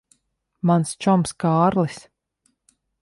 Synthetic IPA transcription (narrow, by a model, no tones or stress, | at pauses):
manst͡ʃɔmskaːɾlˠis